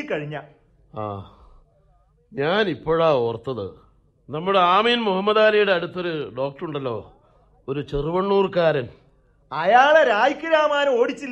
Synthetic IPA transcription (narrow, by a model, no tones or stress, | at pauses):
kɐɻiɲːɐ | a̰ː | ɲaːnipːoːɻaːoːrt̪ːɐðɨ̰ | nɐmːuɽeaːmiːnmuhɐmːɐðaːlɐjuɽe̞ɐɽut̪ːo̞ɾuɖo̞ːk̚ʈruɳɖɐlːo̞̰ː | oɾut͡ɕeruʋɐɳːuːrkaːɾɐn | ɐjaːɭeɾaːjikʲːuɾaːmaːnɐmo̞ːɽit͡ɕːilː